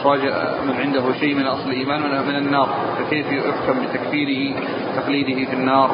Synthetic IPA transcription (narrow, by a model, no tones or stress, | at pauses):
waːd͡ʒɪʔmɪnʕɪnd̪aɦʊʃeːʔmɪnʔɑsˤlɪlʔiːmaːnmɪnanːɑːɾˤ | fakeːfjjʊħt̪ambɪt̪akfiːɾɪhi | t̪aqliːd̪ɪhɪfɪnːɑːɾˤ